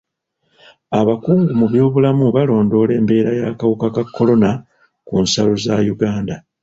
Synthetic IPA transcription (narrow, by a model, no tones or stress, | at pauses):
aβakuːŋɡumuβjo̞ːβulamuβalo̞ːndo̞le̞ːmbe̞ːɾajaːkawukakakʰːo̞lo̞na | kunsaluzajuɡaːnda